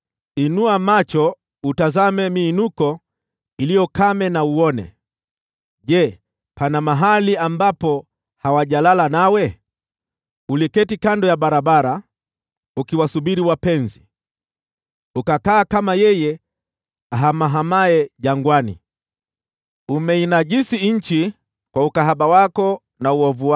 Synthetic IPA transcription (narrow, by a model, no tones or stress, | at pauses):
inuamat͡ʃɔ | utazamɛmiːnukɔ | ilijɔkamɛnauɔnɛ̰ | ʄɛ | pʰanamaɦaliambapɔ | hawaʄalalanawɛ | ulikɛtikandɔjaɓaɾaɓaɾa | ukiwasuɓiɾiwapɛnzi | ukakaːkamajɛjɛ | aɦamaɦamaɛʄaŋɡwanḭ | umɛinaʄisiɲ̩t͡ʃi | kwaukaɦaɓawakɔ | nauɔvuwa